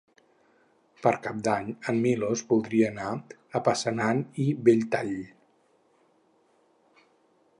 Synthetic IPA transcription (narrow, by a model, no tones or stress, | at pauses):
pəɾkap̚d̪aɲəmːilozbulˠd̪ɾiəːnaəpasənanibeʎt̪aʎ